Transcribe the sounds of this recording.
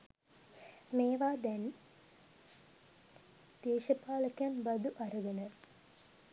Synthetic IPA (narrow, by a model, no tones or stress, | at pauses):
meːʋaːd̪ɛn | d̪̥eːʃɐpaːlɐkjɐmbɐd̪uʔɐɾuɡɐnə